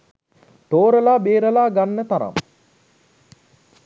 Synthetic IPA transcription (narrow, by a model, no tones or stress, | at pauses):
t̪oːɾəlaːbeːɾəlaːɡanːət̪aɾa̰m